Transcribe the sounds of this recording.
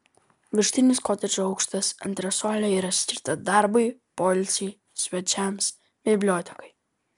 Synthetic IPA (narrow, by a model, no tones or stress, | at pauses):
ʋʲɪʃʲt̪ʲɪnʲɪskɔt̪ʲɛd͡ʒʲoɐʊkʃt̪ɐsɐ̰nʲt̪ʲɾʲɛsɔːlʲɛiːɾɐsʲkʲɪɾt̪ɐd̪ɑɾbɐɪpɔlʲsʲɛɪ | sʲʋʲɛt͡ʃʲɛms | bʲɪbʲlʲoːt̪ʲɛ̥kɐɪ